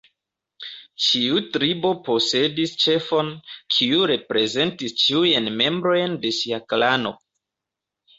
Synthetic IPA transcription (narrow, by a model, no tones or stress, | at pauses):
t͡ʃiutɾibo̞po̞se̞dist͡ʃe̞fo̞nkʰiuɾe̞pɾe̞ze̞ntist͡ʃiujenme̞mbɾo̞jnde̞ʃiaklano̞̰